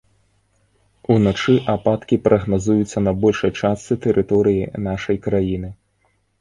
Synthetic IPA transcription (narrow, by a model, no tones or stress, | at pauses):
unat͡ʂɨʔapat̪kʲipɾʔɐɣnazujut̪sʲːɐnɐbɔlʲʂɐjt͡ʂast͡s̪ɨt̪ɛɾʔɨt̪ɔɾɨjinaʂɐjkɾajinɨ